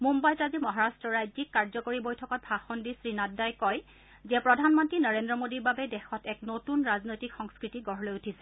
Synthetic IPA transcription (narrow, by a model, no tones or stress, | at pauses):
mumbajtazimɔɦaɹastɹɔɹajzikːaɹzɔkoɹibojtʰɔkɔt̚bʱaxɔndisɹinaddajkɔj | zɛpɹɔdʱanmɔntɹinɔɹendɹɔmodiɹbabɛdɛxɔtɛknotunɹaznojtikxɔŋskɹitiɡɔɹɔlojutʰisɛ̥